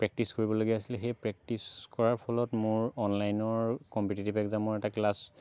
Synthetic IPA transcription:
pɹɛk̚tiskoɹibɔloɡɛasilxejpɹɛk̚tiskɔɹaɹpʰɔlɔtmʊɹɔnlajnɔɹkɔmputitibɛkzamɔɹɛtaklas

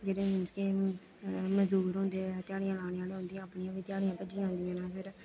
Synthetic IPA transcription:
d͡ʒeːɽeːmɪnskeː | məzd̪uːɾɦõːnd̪eːɛt̪ɪaːɽijãːlaːneãːleːɦʊ̃nd̪ijãːəpɳijãːʋɪt̪ɪjaːɽijãːpəd͡ʒiãːɦʊ̃ːnd̪ijãːnɛ̃ːpʰɪɾ

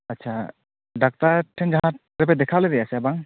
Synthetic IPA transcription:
ɐtːʃʰa | ɖak̚t̪aʈʰɛnd͡ʒaɦã | ɾɛp̬ɛd̪ɛkʰaled̪ɛjasɛbaŋ

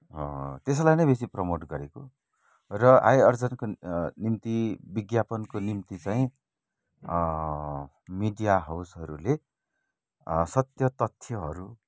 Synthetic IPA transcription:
ɦʌt̪es̬lajnʌjbesiprʌmoʈɡʌɾeko | rʌʔa̰jʌrd͡zʌnkonimt̪ibiɡjapʌnkonimt̪it͡saĩ | miɖijaɦawsɦʌɾule | sʌt̪jʌt̪ʌt̪ʰːjʌɦʌɾu

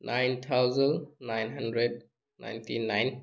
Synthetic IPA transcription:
nʔajnt̪ʰawzənnajnɦandɾed̚ | na̰jntʰinajn

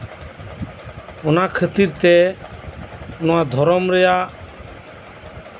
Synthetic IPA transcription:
ɔnakʰət̪iɾt̪ɛ | nɔwad̪ʱɔɾɔmɾɛja

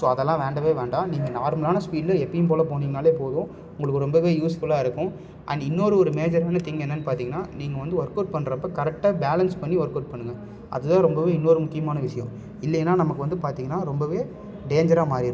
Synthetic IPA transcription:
soːɐðɛlːãːʋeːɳɖɐʋeːʋeːɳɖãːniːŋɡɐnaːɾmɐlaːnɐspiːɖlɐɛpːɐjɯmpoːlɐpoːniŋɡɐnaːleːpoːðʊ̃ | ʊ̃ŋɡɐɭɯkːɯɾɔmbɐʋeːjuːsfʊlaːɪɾɯkːʊ̃ | ʔɐ̰nːɪnːoːɾɯɔɾɯmeːd͡ʒɐɾaːnɐt̪ɪŋɡɐnːɐnːɯpaːɾt̪iːŋɡɐnːaːniːŋɡɐʋɐnd̪ɯʋɔɾkːɐːʈ̚pɐɳːɾɐpːɐkɐɾɛk̚ʈaːbeːlɐnspɐɳːiʋɐɾkːɐʈ̚pɐɳːɯŋɡɐ | ʔɐ̰ðɯt̪ãːɾɔmbɐʋeːɪnːoɾɯmʊkːɪjɐmaːnɐʋɪʂɐjɐ̃ | ɪlːɛjnːaːnɐmɐkːɯʋɐnd̪ɯpaːɾt̪iːŋɡɐnːaːɾɔmbɐʋeː | ɖeːɲd͡ʒɐɾaːmaːɾɪɾɯ

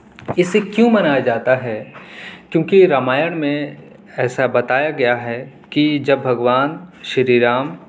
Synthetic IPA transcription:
ɪsekjũmɐnaːjad͡ʒaːt̪aɦɛ | kjõːkiɾaːmaːjəɽ̃mẽ | ɛːsabɐt̪aːjaɡɐjaɦɛ | kid͡ʒɐbːʱɐɡʋaːnʃɐɾiːɾaːm

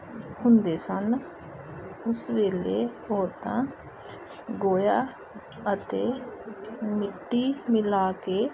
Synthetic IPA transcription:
hʊnd̪eːsən | ʊsʋeːleɔːɾt̪ã̰ː | ɡoːjaː | ət̪eː | mɪʈːimɪlaːkeː

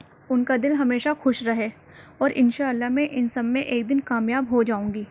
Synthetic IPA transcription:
ʊnkad̪ɪlɦɐmeːʃaxʊʃɾɐɦeː | ɔːɾʔɪnʃaːəlːaɦmẽʔɪnsɐbmẽʔeːk̚d̪ɪnkaːmjaːbɦod͡ʒaːũːŋɡiː

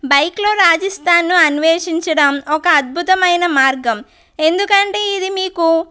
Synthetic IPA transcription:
bɐjkloːɾaːd͡ʒɐst̪ʰaːnːuɐnʋeːʂiɲt͡ʃɐɽɐmɔkɐːd̪̚bʱut̪ɐmɐjnɐmaːɾɡɐm | e̞nd̪ukɐɳʈe̞ːid̪imiːku

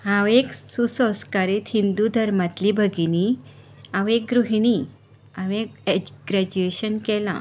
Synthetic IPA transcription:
ɦãʋeksusə̃w̃skaɾiːt̪hind̪ud̪ʱəɾmat̪liːbʱəɡini | ãʋek̚ɡɾuɦiɽ̃i | aʋekɡɾɛd͡ʑueɕənkɛlã̰

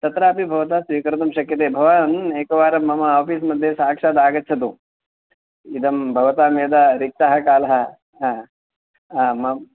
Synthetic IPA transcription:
t̪ɐt̪ɾaːpibʱɐʋɐt̪aːsʋiːkɐɾɐt̪ɐmʃɐkjɐt̪̬eːbʱɐʋaːɐneːkɐʋaːɾɐmːɐmɐaːpismɐd̪ʱːjesaːkʂaːd̪aːɡɐtːt͡ʃʰɐt̪u | id̪ʱɐmbʱɐʋɐt̪aːmeːd̪ɐɾik̚t̪aɦɐkaːlɐɦɐ̆ | mɐ

